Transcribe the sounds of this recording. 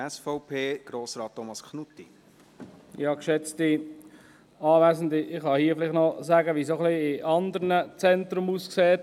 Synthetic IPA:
ɛsfɔʊpʰeːɡ̥ɾoːsɾɑːt̚ːomɑskʰnut̪ːi | jɑkʃɛt͡sti | ɑːvæːsn̩dɪɪχhɑhiəfɪlɪχtnɔzæːɡəʋisoχliɪʔɑnd̪əɾnət͡sɛntɾʊmuːskseːt

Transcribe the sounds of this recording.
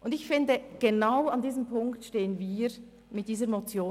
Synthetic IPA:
ʔʊndɪçfɪndəɡ̥enaʊandiːzəmpʰʊŋktʃteːənviːɾ | mɪt̚d̥iːzəɾmot͡sjoː

